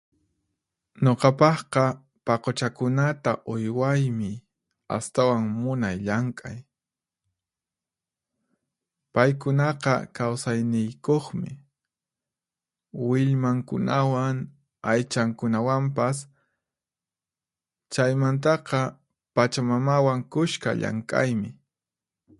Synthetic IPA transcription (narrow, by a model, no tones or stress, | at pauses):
ɲoqɑpɑχqɑ | pɑqot͡ʃakʊnat̪aʔojwajmɪ | a̰st̪awaŋmʊnajʎaŋkʼa̰j | pajkʊnɑqɑkawsajnɪjkoχmɪ̰ | wɪʎmaŋkʊ̰nawaŋ | ajt͡ʃaŋkʊnawampas | t͡ʃajmant̪ɑqɑ | pat͡ʃamamawaŋkʊʃka̰ʎa̰ŋkʼa̰jmɪ